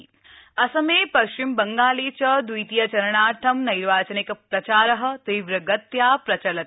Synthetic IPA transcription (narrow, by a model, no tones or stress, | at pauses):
ɐsɐmeːpɐʃt͡ʃimbɐŋɡaːliːt͡ʃɐd̪ujt̪ijɐt͡ʃɐɾɐɳaːʈʰɐmnɐjɾʋaːt͡ʃɐnikpɾɐt͡ʃaːɾɐɦɐ̆t̪iːʋɾɐɡɐt̪jaːpɾɐt͡ʃɐlɐ